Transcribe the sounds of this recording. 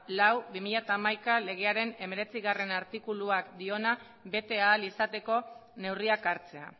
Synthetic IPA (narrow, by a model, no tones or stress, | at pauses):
lawbimiʎat̪aːmajkale̞ɣ̞e̞aɾe̞ne̞me̞ɾe̞t͡siɣare̞naɾt̪ikuluakd̪io̞na | be̞t̪e̞aːlisat̪e̞ko̞ne̞wriakaɾt͡se̞a̰